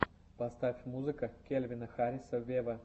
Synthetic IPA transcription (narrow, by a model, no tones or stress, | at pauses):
pɐst̪afʲmuzɨkəkʲelʲvʲɪnəxaɾʲɪsəvʲevə